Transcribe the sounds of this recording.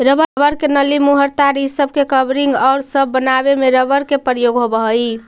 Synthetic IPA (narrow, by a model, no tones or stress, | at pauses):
ɾəbəbəɾkenəlimuɦəɾt̪aɾisəb̚ʱkekəbɾiŋɡaʊɾsəbːənabemeɾəbəɾkepɾəjoɡɦobəɦəj